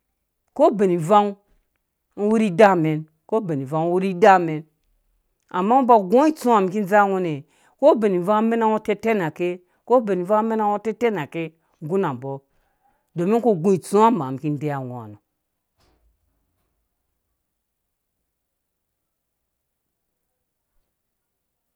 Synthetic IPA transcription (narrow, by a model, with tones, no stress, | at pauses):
ko˦be˨ni˨va˦ŋ̩˦ | wu˦ɾi˦da˦˨me˨n | ko˦be˨ni˨va˨ŋ˦wu˦ɾi˦da˦˨me˨n | a˨mːa˦u˦ba˨ɡo˦i˦t͡su˦a˨m˨ki˦n˦d͡za˦˨wo˦ne˨ | ko˦be˨ni˨va˦ŋ˦me˦na˦˨wo˦te˦te˦na˨ke˦ | ko˦be˨ni˨va˦me˦na˨wo˦te˦te˦na˨ke˦ | ɡu˦na˨m˨bo˦ | do˨mi˦ko˦ɡũ˦i˨t͡su˦a˦ma˨ki˦n˦de˦ja˨wo˨a̰˨no˨